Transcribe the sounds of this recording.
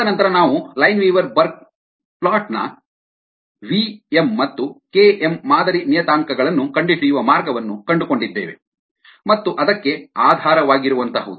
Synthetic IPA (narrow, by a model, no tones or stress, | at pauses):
ɐnɐnt̪ɐɾɐnaːʋulɐjnʋiːʋɐɾbɐɾk̚ | plaːʈnɐ̰ | ʋiemːɐt̪ːuke̞emːaːd̪ɐɾinijɐt̪aːŋkɐɡɐɭɐnːukɐɳɖiʈijuʋɐmaːɾɡɐʋɐnːukɐɳɖuko̞ɳɖid̪ːḛːʋe̞̰ | mɐt̪ːuʔɐd̪ɐkːe̞aːd̪ʱaːɾɐʋaːɡiɾuʋɐnt̪ɐɦɐʋd̪